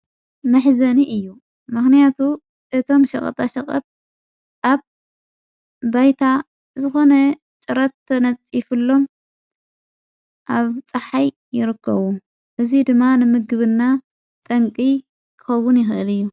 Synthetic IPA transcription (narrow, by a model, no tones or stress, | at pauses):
mɐħzɐniʔɨjːu | mɨxnijat̪ʰu | ʔɨt̪ʰo̞mʃɐ̰χʼɐ̰t̪ʼʰɐʃɐkʼɐ̰t̪̚ | ʔaβ | ajt̪ʰa | zɨxonɐ | t͡ʃʼɨɾɐt̪ːɐnɐt͡sʼːifɨlːo̞m | ʔaβt͡sʼɨħajːɪɾɨkːɐ̰βu | ʔɨzid̪ɨmːanɨmɨɡɨβɨnːa | t̪ʼɐŋkʼi | kʰɨ̥xɐwːʊnjɪxʔɨlɨjːu